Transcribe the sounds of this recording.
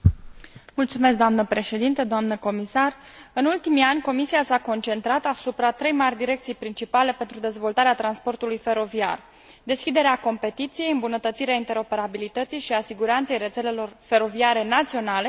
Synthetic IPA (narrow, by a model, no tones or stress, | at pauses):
mult̪sume̞s̬k̚d̪oamnəpɾe̞ʃe̞d̪int̪əd̪oamnəko̞misarɨnult̪imianʲko̞misiasako̞nt͡ʃe̞nt̪ɾat̪asupɾat̪ɾe̞jmarʲd̪iɾe̞k̚t̪sijpɾint͡ʃipale̞pe̞nt̪ɾud̪e̞zvo̞lt̪aɾeat̪ɾanspo̞rt̪ulujfe̞ɾo̞via̰r | d̪e̞skʲid̪e̞ɾeako̞mpe̞t̪it̪sije̞jɨmbunət̪ət̪siɾeaint̪e̞ɾo̞pe̞ɾabilit̪ət̪sijʃiasiɡuɾant̪se̞jɾe̞t̪se̞le̞lo̞rfe̞ɾo̞viaɾe̞nat̪sio̞nale̞